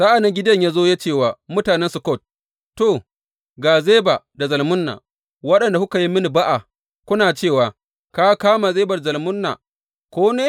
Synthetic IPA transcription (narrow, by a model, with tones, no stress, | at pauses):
sa˦ʔa˨nɪ˦ŋɡʲɪ˦dɐ˦ɲjaː˦zoː˦ja˦t͡ʃeː˦˨waː˨mʊ˦taː˨nɛ˦nsʊ˨kɔ˦˨t̚ | to˨ | ɡaː˨ze˦ba˨da˨zɐ˨lmʊ˦nːa̰˨ | wɐ˦ɗɐ˨nda˨hʊ˦ka˨ji˦mɪ˦ni˨ba˦ʔa˨ | kʷʊ˦naː˨t͡ʃeː˦˨waː˨ | ka˦kaː˦ma˨zeː˦bɐ˨rzɐ˨lmʊ˦nːa̰˨ | kʷoː˦neː˦